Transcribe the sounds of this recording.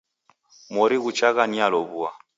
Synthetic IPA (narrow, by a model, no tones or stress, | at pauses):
mɔɾiɣut͡ʃaɣanialɔβua